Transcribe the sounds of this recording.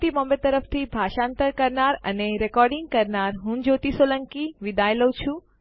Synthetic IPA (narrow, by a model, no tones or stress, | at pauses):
t̪imɔmbet̪ːəɾəft̪ʰibʱaʃant̪əɾkəɾnaɾə̰neɾɛkɔɾɖiŋɡ̚kəɾnaɾɦũd͡ʒot̪isoləŋkiʋid̪ajləwt͡ʃʰũ